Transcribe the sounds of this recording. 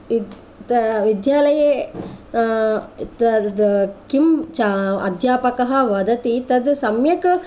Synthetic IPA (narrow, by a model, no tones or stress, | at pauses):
t̪ʋid̪jaːlɐje | t̪ɐd̪kimt͡ʃaɐ̰d̪ʱjaːpɐkɐɦɐ̆ʋɐd̪ɐt̪it̪ɐd̪sɐmjɐkɐ